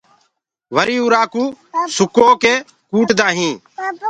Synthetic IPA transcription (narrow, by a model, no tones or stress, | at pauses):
ʋəɾiːuːɾaːkuːsʊkoːkeː | kuːʈd̪aːɦĩː